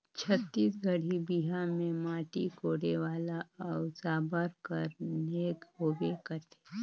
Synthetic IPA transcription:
t͡ʃʰət̪ːiːsɡəɽ̤ibiɦamẽmaːʈḭkoːɽeʋaːlaɔːsaːbəɾkəɾneːkɦoːbekəɾt̪ʰe̥

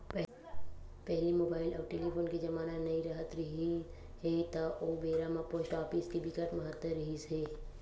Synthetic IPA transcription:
p | pɛɦlimoːbaːɪlɔːɾʈeːlipʰoːnkid͡ʒɐmaːnanɐĩɾəɦət̪ɾɐɦi | het̪aʔoːbeːɾamãpoːsʈaːpiskibʱɪkəʈmɐɦət̪ːəɾːɐɦiseː

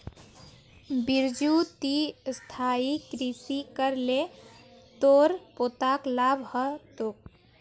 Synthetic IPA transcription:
biɾd͡ʒut̪ist̪ʰaikɾisikəɾlet̪oɾpot̪aklabʱɦət̪ok

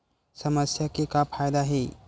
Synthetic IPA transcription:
sɐməsjakekapʰaːjd̪aɦɛ

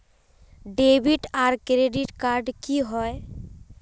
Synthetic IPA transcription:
ɖebʱiʈaɾkɾeɖiʈkaɾɖkiɦɔe

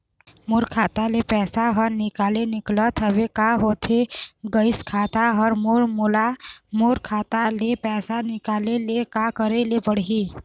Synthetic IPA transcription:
muɾkʰaːt̪alepɛːsaɦəɾnɪkaːlenɪklət̪ɦəʋekaɦoːt̪ʰeɡəɪskʰaːt̪aɦɔɾmoɾmʊlamoɾkʰaːt̪alepɛːsanɪkaːlelekakəɾelebəɽ̤i

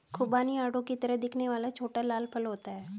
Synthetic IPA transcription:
kʰʊbaːniaːɽõkit̪əɾəɦd̪ɪkʰneʋaːlat͡ʃʰoːʈalaːlpʰɐlɦoːt̪aɦɛː

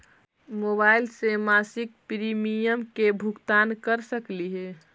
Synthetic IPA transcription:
moːbaːɪlsemasɪk̚pɾimijəmkebʱʊkt̪aːnkəɾsəkliɦɛ

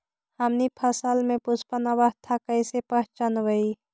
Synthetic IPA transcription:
hɐmnipʰəsəlmẽpʊspənaʋəɦt̪ʰakəɪsepəɦt͡ʃənʋəi

